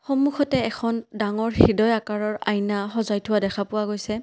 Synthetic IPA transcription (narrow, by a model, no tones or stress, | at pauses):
xɔmuxɔtɛɛkʰɔndaŋɔɹxidɔjakaɹɔɹajnaɦɔzajtʰʊwadɛkʰapʊwaɡojsɛ